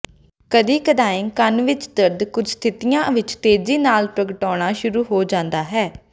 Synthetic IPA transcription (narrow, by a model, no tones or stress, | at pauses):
kəd̪iːkəd̪aːĩːkənʋɪt͡ʃd̪əɾd̪kʊd͡ʒst̪ʰɪt̪ɪjãːʋɪt͡ʃt̪eːd͡ʒiːnaːlpɾəɡəʈɔːɽ̃aːʃʊɾuːɦoːd͡ʒãːnd̪aːɦɛː